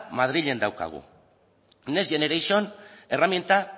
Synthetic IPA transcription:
mað̞ɾiʎe̞nd̪awka̰ɣ̞ṵ | ne̞zʝe̞neɾajsione̞ramjent̪a

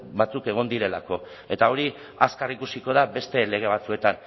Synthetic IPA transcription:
bat͡suke̞ɣ̞o̞nd̪iɾe̞lako̞ | e̞t̪ao̞ɾi | askarikusiko̞ð̞abe̞st̪e̞le̞ɣ̞e̞β̞at͡sue̞t̪an

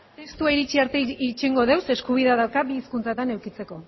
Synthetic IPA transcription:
est̪uaiɾit͡ʃiaɾt̪eit͡ʃeŋɡo̞ðe̞wse̞skuβ̞iðaðawkabiːskunt͡sat̪anewkit͡se̞ko̞

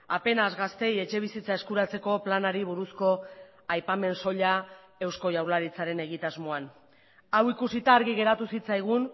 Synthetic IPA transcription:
ape̞nazɣast̪e̞je̞t͡ʃe̞β̞isit͡saeskuɾat͡se̞ko̞planaɾiβ̞uɾusko̞ | ajpame̞nso̞ʎa | e̞wsko̞jawɾlaɾit͡saɾe̞ne̞ɣ̞it̪azmo̞an | awikusit̪aːɾɣiɣe̞ɾat̪usit͡sajɣ̞un

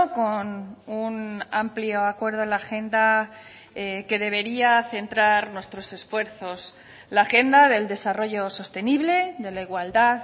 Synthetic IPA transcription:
konunampljo̞akwe̞ɾðoenlaxe̞nd̪a | eke̞ðe̞β̞e̞ɾiaθe̞nt̪ɾaɾnwe̞st̪ɾo̞se̞sfwe̞ɾθo̞s | laxe̞nd̪aðe̞ld̪e̞saro̞ʝo̞so̞st̪e̞niβle̞ðe̞laiɣwald̪að

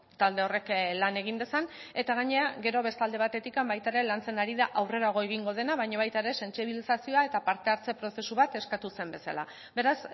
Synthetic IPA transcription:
t̪ald̪e̞o̞re̞klane̞ɣ̞ind̪e̞san | e̞t̪aɣaɲe̞aɡe̞ɾo̞βe̞st̪ald̪e̞β̞at̪e̞t̪ikambajt̪aeɾe̞lant͡se̞naɾiðaʔawre̞ɾaɣ̞o̞e̞ɣ̞iŋɡo̞ð̞e̞naβajɲaβ̞ajt̪aeɾe̞se̞nsiβilisasio̞ae̞t̪apaɾt̪e̞aɾt͡se̞pɾo̞se̞suβat̪e̞skat̪use̞mbe̞sa̰la̰ | be̞ɾas

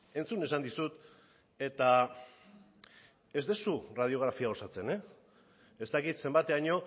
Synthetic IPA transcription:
e̞nt͡sune̞sand̪isut̪ | e̞t̪a | e̞zd̪esurað̞io̞ɣ̞ɾafiao̞sat͡se̞ne̞ | est̪akit̪se̞mbat̪eaɲo̞

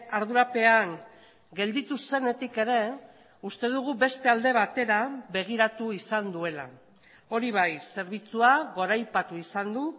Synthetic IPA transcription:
aɾðuɾape̞aŋ | ɡe̞ld̪it̪use̞ne̞t̪ike̞ɾe̞ | ust̪e̞ðuɣ̞ube̞st̪e̞ald̪e̞β̞at̪e̞ɾaβe̞ɣ̞iɾat̪uisand̪ue̞la̰ | o̞ɾiβajse̞ɾβ̞it͡suaɣo̞ɾajpat̪uisand̪u

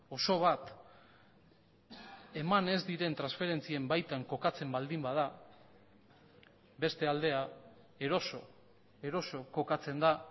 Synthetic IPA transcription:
o̞so̞β̞at̪ | e̞mane̞zd̪iɾe̞nt̪ɾansfe̞ɾe̞nt͡sie̞mbajt̪aŋko̞kat͡se̞mbald̪imbað̞a | be̞st̪e̞ald̪e̞a | e̞ɾo̞so | e̞ɾo̞so̞ko̞kat͡se̞nd̪a

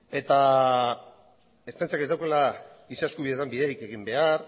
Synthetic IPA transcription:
e̞t̪a | est̪ent͡siaked̪awkela | iseaskuβiðet̪ambiðeɾike̞ɣ̞imbe̞aɾ

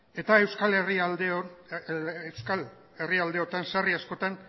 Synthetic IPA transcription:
e̞t̪ae̞wskaleriald̪eo | ewskal | e̞riald̪e̞ot̪ansariasko̞t̪an

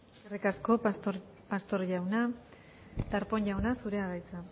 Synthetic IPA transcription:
eskerikasko̞pa | past̪o̞ɾʝawna | t̪aɾpo̞ɲʎawnasuɾe̞aɣajt͡sa

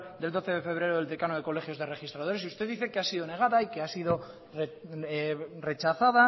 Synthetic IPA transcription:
d̪e̞ld̪o̞θeðe̞fe̞β̞ɾe̞ɾoðeld̪ekanoðe̞ko̞le̞xjo̞zðere̞xist̪ɾaðo̞ɾesiust̪eðiθe̞keasiðone̞ɣ̞aðaikeasiðo̞ | re | re̞t͡ʃaθað̞a

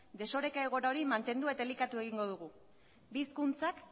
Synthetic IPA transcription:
d̪e̞so̞ɾe̞kaeɣ̞o̞ɾaoɾimant̪e̞nd̪ue̞t̪aelikat̪ue̞ɣ̞iŋɡo̞ð̞uɣ̞u | biːskunt͡sak

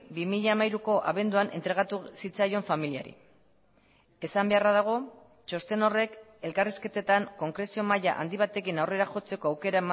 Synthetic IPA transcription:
bimiʎaːmajɾuko̞ʔa̰βe̞nd̪uanʔe̞̰nt̪ɾe̞ɣ̞at̪usit͡sajo̞ɱfamilia̰ɾḭ | e̞sambe̞arað̞aɣ̞o̞ | t͡ʃo̞st̪e̞no̞re̞ke̞lkariske̞t̪e̞t̪aŋko̞ŋkɾe̞sio̞maja̰ʔa̰nd̪iβ̞at̪e̞kinawre̞ɾaxo̞t͡se̞ko̞awke̞ɾaema

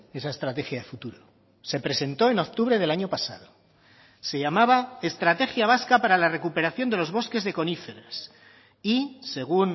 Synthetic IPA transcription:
e̞sae̞st̪ɾat̪e̞xjaðe̞fut̪uɾo | se̞pɾe̞se̞nt̪o̞e̞no̞k̚t̪uβɾe̞ð̞elaɲo̞pasa̰ðo | se̞ʝamaβ̞ae̞st̪ɾat̪e̞xjaβ̞askapaɾalare̞kupe̞ɾaθjo̞nd̪e̞lo̞zβ̞o̞ske̞zðe̞ko̞nifeɾes | ise̞ɣ̞un

